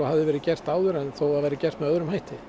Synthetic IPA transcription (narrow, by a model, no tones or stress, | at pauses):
ɔhavðɪvɛːɾɪcɛr̥t̪aːwðʏɾɛnθowavaːjɾɪcɛr̥t̪mɛœðɾʏmhaːjht̪ɪ